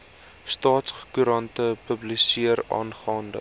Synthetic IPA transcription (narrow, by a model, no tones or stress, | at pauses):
stɑːtsχkyɾɐntəpəblisiəɾɑ̰ːnχɑːndə̰